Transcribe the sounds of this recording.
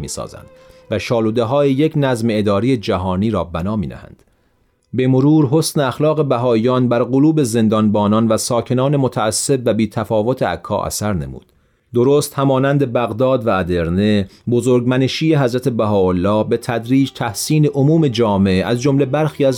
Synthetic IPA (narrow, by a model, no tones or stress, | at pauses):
mḭːsɒ̰ːzæ̰nd̪væʃɒːluːd̪eɦɒːjejecʰnæzmeed̪ɒːɾijed͡ʒæɦɒːniːɾɒːbænɒːmiːd̪æ̰hæ̰nd̪̥ | be̞moɾuːɾɦo̞sneæxlɒːɣe̞bæɦɒːijɒːnbæɾɣoluːbe̞ze̞nd̪ɒnbɒːnɒnvæsɒːcʰe̞nɒːne̞mot̪ʰæːsːe̞bvæbiːt̪ʰæfɒːvo̞t̪ʰeæ̰kʰːɒ̰ːʔæ̰sæɾne̞̰mṵːd̪̥ | d̪oɾoːst̪hæmɒːnænd̪e̞bæɣd̪ɒːd̪væːd̪e̞ɾne̞ | bozoːɾɡmæneʃiːjeɦæzɾæt̪ʰe̞bæɦɒːolːɒːbe̞t̪ʰæd̪ɾiːd͡ʒt̪ʰæhsiːne̞ʔomuːme̞d͡ʒɒːmeʔeʔæzd͡ʒo̞mle̞bæɾxiːæz